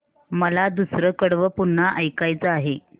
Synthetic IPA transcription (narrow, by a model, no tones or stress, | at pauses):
məlad̪usɾəkəɽʋəpuɳːaʔəjkajt͡səaɦe